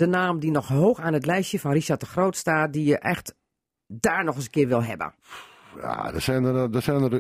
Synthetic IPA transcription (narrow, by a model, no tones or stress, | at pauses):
d̥ənaːmdinɔxɦoːxaːnətlɛjsjəfɔnriʃat̚dəxroːtstaːt̚dijəʔɛxt | daːɹnɔxəsəkɪəɹʋɪlˠɦɛ̰bə̰ | ja̰dəsɛndəsɛnər